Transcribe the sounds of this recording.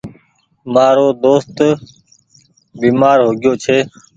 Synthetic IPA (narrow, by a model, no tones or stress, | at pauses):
maːɾoːd̪oːst̪ | biːmaːɾɦoːɡjoːt͡ʃʰeː